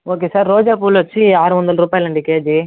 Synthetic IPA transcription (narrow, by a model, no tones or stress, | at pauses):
oːk̬eːsaːɾːoːd͡ʒaːp̬uːlʋɐt͡ʃːiaːɾuʋɐnd̪ɐlɐɾuːpaːjɐlɐɳɖikeːd͡ʒi